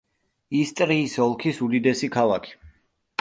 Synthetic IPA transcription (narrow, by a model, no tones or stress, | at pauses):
ist̪ʼɾiːsɔlˠkʰisud̪id̪ɛsikʰalˠakʰi̥